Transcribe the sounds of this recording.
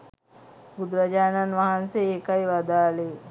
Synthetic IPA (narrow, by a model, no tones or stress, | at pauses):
bud̪ɾəd͡ʒaːnanʋaɦanseeːkajʋad̪aːle